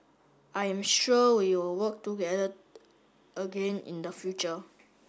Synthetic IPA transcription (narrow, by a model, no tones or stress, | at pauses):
ʔajɛ̃mʃuwiwɪlwək̚tuɡɛdə | ʔəɡẽnḭ̃nd̪əfjut͡ʃə